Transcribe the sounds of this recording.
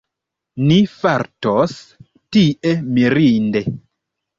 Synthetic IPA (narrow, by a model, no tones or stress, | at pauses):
nifaɾtos | tiʔemiɾinde